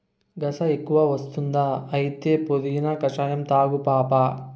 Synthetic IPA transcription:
ɡɐsɐe̞kːuʋaːʋɐst̪und̪aːɐjit̪eːpod̪iɡinɐkɐt͡ʃaːjɐmt̪aːɡupaːpaː

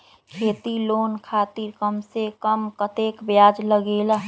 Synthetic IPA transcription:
kʰeːt̪iloːnkʰaːt̪iɾkəmsekəmkət̪eːkbjaːd͡ʒləɡeːla

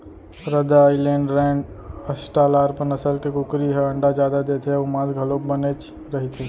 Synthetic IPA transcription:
ɾəd̪ailẽːɳɖɾɛ̃ːɳɖ | əsʈaːlaːɾpənəsəlkekʊkɾiɦɛəɳɖad͡ʒjaːd̪ad̪eːt̪ʰeʊmãːd̪ɡʱəlõkbənet͡ʃ | ɾɐɦit̪ʰe

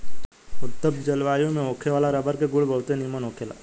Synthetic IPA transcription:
ʊt̪ːəbd͡ʒɐlʋaːjõmẽoːkʰeʋaːlaɾɐbəɾkeɡʊɭbəlt̪enimənoːkʰela̰ː

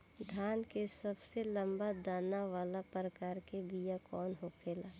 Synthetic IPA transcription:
d̪ʱaːnkesɐbselə̃mbad̪aːnaʋaːlapɾəkaːɾkebijakɔːnɦokʰeːlaː

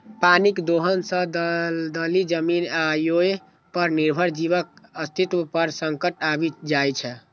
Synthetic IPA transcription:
panikd̪oɦənsə̃d̪d̪əlid͡ʒəminajoe | pəɾniɾbʱəɾd͡ʒiβək̚əst̪ʰit̪wəpəɾsəŋkəʈabid͡ʒajt͡ʃʰɛ

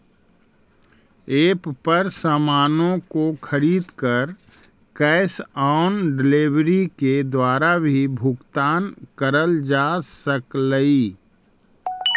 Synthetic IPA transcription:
eːppəɾsaːmaːnõkokʰəɾiːd̪kəɾ | kɛːɪsaʊnɖɪleʋɾiked̪waːɾabʱibʱʊkt̪aːnkəɾəld͡ʒaːsəkləi

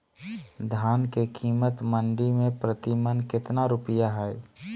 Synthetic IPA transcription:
d̪ʱaːnkekʰiːmət̪mə̃ɳɖimẽpɾət̪imənkɪt̪naɾʊpɪjaɦɛe

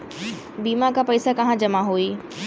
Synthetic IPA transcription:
biːmakãpɐɪsakɐɦãd͡ʑɐmaɦoːiː

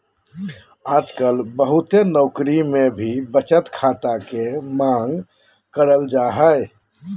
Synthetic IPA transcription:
aːd͡ʒkəlbəɦʊt̪enɔːkɾimẽbʱibət͡ʃət̪kʰaːt̪akemãːŋɡ | kəɾəld͡ʒaːɦəe

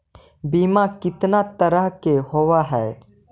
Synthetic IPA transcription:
biːmakɪt̪nat̪əɾəɦkeɦowaɦɛː

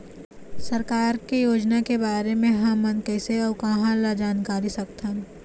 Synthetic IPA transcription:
sɐɾkaːɾkejoːd͡ʒnakebaːɾemẽɦãmɐnkɛːseɔːkɐɦãlad͡ʒaːnkaːɾisɐkt̪ɐn

